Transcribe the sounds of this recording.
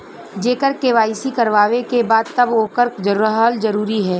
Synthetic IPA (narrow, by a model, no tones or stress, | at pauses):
d͡ʒeːkəɾkeːʋaːisikɐɾʋaːʋekebaːd̪̚t̪ɐboːkəɾkzɐɾəɦɦəlzɐɾuːɾiɦɛː